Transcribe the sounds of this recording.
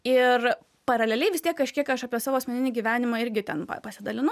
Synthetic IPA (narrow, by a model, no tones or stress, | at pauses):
ɪr | pɐɾɐlʲɛlʲɛɪʋʲɪst̪ʲiɛkkɐʃʲkʲiɛkɐʃɑːpʲiɛsɑːʋoːɐsʲmʲɛnʲɪnʲiːɡʲiːʋʲæːnʲɪmɑːɪɾʲɡʲɪt̪ʲɛnpɐ̰pɐsʲɪd̪ɐlʲɪnʊ